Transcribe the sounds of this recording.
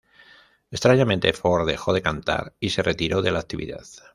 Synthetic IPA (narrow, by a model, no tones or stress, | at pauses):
est̪ɾaɲamẽ̞nt̪efo̞ɾðe̞xo̞ð̞e̞kant̪a̰ɾise̞rʔe̞t̪iɾo̞ðe̞laːk̚t̪iβḭða̰ð